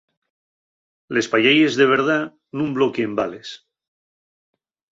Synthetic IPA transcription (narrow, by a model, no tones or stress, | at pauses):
le̞spaʎajezðe̞βe̞ɾða | nũmblokeːmbale̞s